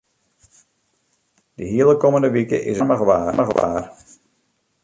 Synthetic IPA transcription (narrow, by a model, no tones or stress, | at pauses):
dəɦiəlˠəkoməndəʋikə̰ʔɪ̰səməɣʋaːməɣʋa̰ːr